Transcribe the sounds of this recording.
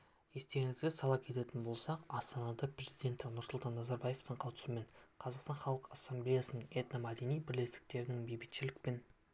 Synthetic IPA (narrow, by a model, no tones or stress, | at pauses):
je̞st̪e̞ɾɪŋɪzɡʲesɑlˠɑp̚kʲʰe̞t̪e̞t̪ɪnbo̞lˠsɑqɑst̪ɑnɑd̪ɑpʰrʲe̞zid̪e̞nt̪ɪnʊɾsʊlˠt̪ɑnːɑzɑɾbɑje̞ft̪əɴqʰɑwt̪ə̥səme̞nqʰɑzɑqst̪ɑnχɑlˠəqɑsːemblejasənəɴet̪namad̪e̞nijbɪɾle̞st̪ɪ̥k̚t̪e̞ɾɪnɪŋbejbɪt̪ʃɪlɪk̚pe̞n